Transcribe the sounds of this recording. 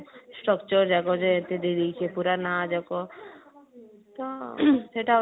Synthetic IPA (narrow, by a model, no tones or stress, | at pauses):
sʈɾɔkt͡ʃɔɾd͡ʒɛkɔd͡ʒeːt̪ed̪id̪ijt͡ʃʰepuɾanad͡ʒɛkɔ | t̪ɔseʈa